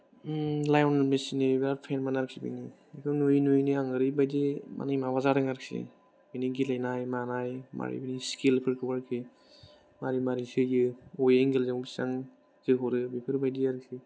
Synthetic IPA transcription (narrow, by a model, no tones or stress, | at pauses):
lajɔnmesinibeɾapʰenmanaɾɯksibḭni | ekʰɯnujnujniaŋɯɾɯbajdema̰nɯjmaβazaɾɯŋaɾɯk̚sḭ | biniɡilajnajmanajma̰ɾḭbiniskelpʰɯɾkʰɯbaɾkʰi | maɾimaɾisɯjɯɔjeŋɡelzaŋbisaŋ | zɯɦɔɾɯbipʰɯɾbajdiaɾɯk̚si